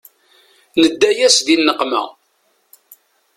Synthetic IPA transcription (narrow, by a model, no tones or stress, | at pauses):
nəd̪ːæjæsðinːəqmæ̰